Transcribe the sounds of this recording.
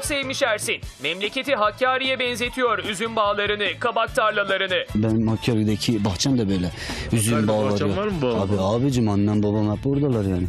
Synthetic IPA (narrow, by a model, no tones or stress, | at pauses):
psevmiʃæɾsinmɛmlʲe̞cʰe̞t̪iɦacʰːaːɾijɛbɛnze̞t̪ʰijo̞ɾyzynbaːlˠaɾɯnɯkʰabak̚t̪ʰaɾlʲˠalˠaɾɯnɯbænmhacʰːaːɾid̪acʰibaxt͡ʃʰand̪abø̞ːjlʲɛ | yzynbaːlˠaɾɯjoaːbiaːbid͡ʒimanːanbabamap̚buɾd̪alˠaɾjaːnɪ